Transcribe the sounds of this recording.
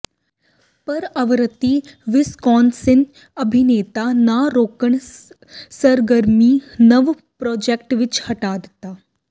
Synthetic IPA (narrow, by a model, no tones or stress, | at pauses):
pəɾəʋɾət̪iːʋiskɔnsin | əbʱineːt̪anaɾokəɳ | səɾɡəɾmiːnəʋ | pɾɔd͡ʑek̚ʈʋit͡ʃhəʈad̪t̪a